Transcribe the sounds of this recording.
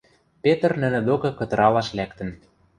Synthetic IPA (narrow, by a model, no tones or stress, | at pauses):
pet̪ə̆rnɘ̆nĕd̪okɤ̆kɤ̆t̪ɤ̆ɾɑlɑʃlækt̪ə̆n